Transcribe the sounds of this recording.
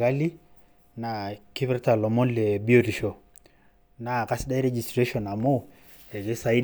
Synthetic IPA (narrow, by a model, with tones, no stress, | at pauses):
ka˦li˦ | na˨ki˦βɛ˦ɾta˨lɔ˨mɔ˦nlɛ˨bi˦o˦˨ti˨ʃɔ˨ | na˨ka˦si˦da˦i˦ɾɛ˦d͡ʒi˨stɾe˦ʃɔ˨na˨mo˦˨ | ɛ˨ke˦sa˨i˦